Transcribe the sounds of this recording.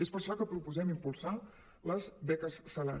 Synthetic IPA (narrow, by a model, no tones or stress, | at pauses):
espəɾʃɔkəpɾupuzɛmimpulˠsa | ləzβɛkəsːəla̰